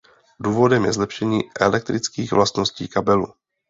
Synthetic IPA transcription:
duːvo̞dɛmjɛzlɛpʃɛɲiːʔɛlɛk̚t̪ɾʔɪt͡skiːɣvlast̪no̞sciːkabɛlu

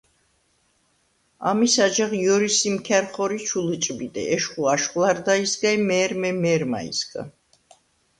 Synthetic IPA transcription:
a̰misad͡ʒaʁjɔɾisimkʰɛɾχɔɾit͡ʃʰulɨt͡ʃʼbid̪ʼɛ̰ʔɛʃχuaʃχlˠaɾd̪aisɡaimɛːɾmɛmɛɾma̰ḭsɡa̰

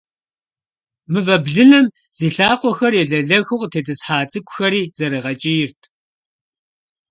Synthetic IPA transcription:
mɨvɐbɮɨnɐm | z̥iːɬaːqʷɔxɐrjɛɮɐɮɐɣʊʁtʰeːdɨsħaːt͡sʼɨkʷʼʊxɐɾiːz̥ɐɾɨʁɐt͡ʃʼɪjɪrtʰ

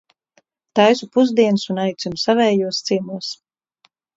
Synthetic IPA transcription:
t̪ajsupuzd̪iɛnsunajt̪sʲumusavɛːjuɔst̪simuɔs

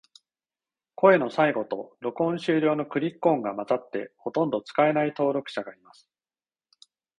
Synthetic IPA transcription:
ko̞e̞no̞saiɡo̞t̪o̞ɾo̞kõ̞ɰ̃ɕɨːɾʲo̞ːno̞kɯ̟ɾʲikːõ̞ŋɡamat͡sat̪ːe̞ho̞t̪õ̞nd̪o̞t͡sɨ̥kae̞nait̪o̞ːɾo̞kɯ̟̥ɕaɡaimasɨ̥

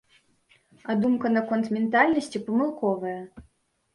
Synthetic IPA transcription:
ad̪umkɐnɐkɔnt̪mʲɛnt̪alʲnɐsʲt͡sʲipɐmɨlˠkɔvɐjɐ

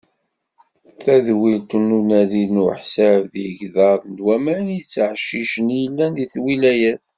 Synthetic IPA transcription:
θæðwilt̪unːunæðinʊħsævðjəʝðɑðnd̪wæmænjət͡sːʕʃːiʃənjəlːænðiθwilæjæθ

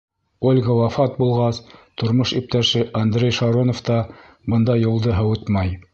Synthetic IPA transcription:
olʲɡɑwɑfɑt̪̚bulˠʁɑst̪ŏɾmoʃip̚t̪æʃɘʔɐnd̪ɾʲejʃɑɾonoft̪ɑ | bɤ̆nd̪ɑjŏlˠd̪ɤɦɤut̪mɑj

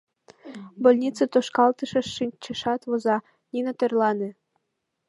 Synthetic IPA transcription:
bolʲnʲit͡sɤt̪oʃkɑlˠt̪ɤʃɤ̆ʃinʲt͡ɕɘ̆ʃɑt̪βozɑ | nʲinot̪erlˠɑnĕ

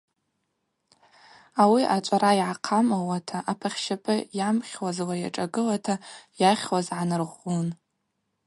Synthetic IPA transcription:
awiʔat͡ʃʷʼaɾajʕaqʰamawatʰaʔapʰaχʲʃapʼɨjamχʲwazwajaʈ͡ʂʼaɡɨlatʰajaχʲwazʕanɨrʁʷun

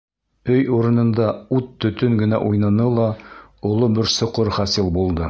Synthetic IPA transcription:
ɵjuɾɤ̆nɤ̆nd̪ɑut̪ːɵ̆t̪ɵŋɡɘ̆næ̰ʔujnɑnɤlˠɑŏlˠobɘɾsŏqɤɾχæsɘlˠbulˠd̪ɤ

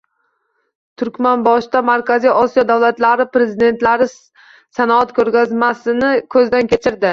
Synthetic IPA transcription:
t̪ʰʊɾkʲmanbɒʃt̪amaɾkʲazijʔɒsijɒd̪awlat̪laɾɪpɾe̞zid̪e̞nt̪laɾɪ | sanɒat̪kʰɵɾɡʲazmasɪnɪkʲʰɵzd̪ankʲe̞t͡ʃʰɪɾd̪ɪ

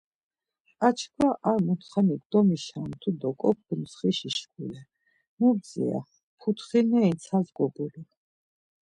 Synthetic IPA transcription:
at͡ʃʰkʰwaʔaɾmut̪ʰχanik̚d̪ɔmiʃant̪ʰud̪ɔkʼɔk̚ʰumt̪sʰχiʃiʃkulɛ | mub̪̚zḭa̰ | pʰut̪ʰχinɛint̪sʰazɡɔbuli

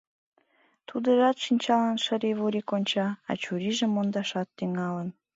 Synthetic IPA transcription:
t̪ud̪əʒɑt̪ʃinʲt͡ɕɑlɑnʃə̆ɾeβuɾikonʲt͡ɕɑɑ̰t͡ɕuɾiʒĕmond̪ɑʃɑt̪ːyŋɑlən

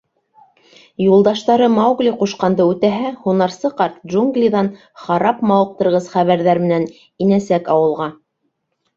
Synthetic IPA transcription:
julˠd̪ɑʃt̪ɑɾɤmɑwɡlʲiquʃqɑnd̪ɤʉt̪æɦæhunɑɾsɤqɑɾt̪̚ʒuŋɡlʲiðɑn | χɑɾɑpmɑwɤ̆q̚t̪ɤ̆ɾʁɤzχæβæɾðæɾmɘ̆næn | inæsækɑwɤ̆lˠʁɑ

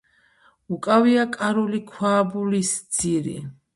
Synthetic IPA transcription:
ukʼaviakʼaɾulikʰwaːbulisd̪z̥iɾḭ

